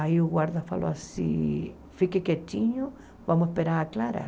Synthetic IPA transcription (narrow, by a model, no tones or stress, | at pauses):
aiuɣwaɾðafa̰loasḭ | fikeket͡ʃiɲo | bamoespeɾaɾaklaɾa̰